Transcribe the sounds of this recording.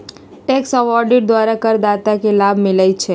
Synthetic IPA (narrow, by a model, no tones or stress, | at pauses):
ʈeksəʋɔɾɖɪʈ̚d̪ʋaɾakəɾd̪at̪akelabʱmɪlajt͡ʃʰe